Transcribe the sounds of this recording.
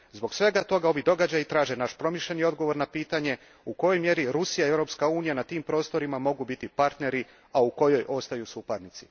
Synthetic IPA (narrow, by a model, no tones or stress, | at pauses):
zbo̞ɡsʋe̞ɡat̪o̞ɡao̞ʋid̪o̞ɡad͡ʑajit̪ɾaːʒenaʃpɾo̞miʃʎʲe̞nio̞d̪ɡo̞ʋo̞ɾnapiːt̪aɲe̞ | uko̞jo̞jmje̞ɾiɾusijaievɾo̞ːpskauːnijanat̪iːmpɾoːst̪o̞ɾimamo̞ɡubit̪ipaɾt̪ne̞ɾi | auko̞jo̞jʔo̞st̪ajusupaɾnit̪si̥